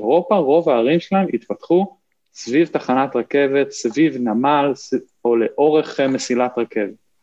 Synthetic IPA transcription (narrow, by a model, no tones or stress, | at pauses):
ʁo̞paʁo̞vaːʁimʃelaemit̪pat̪χu | svivtaχanatʁake̞ve̞t̪svivnamals | o̞le̞ʔo̞ʁe̞χmesilat̪ʁake̞vet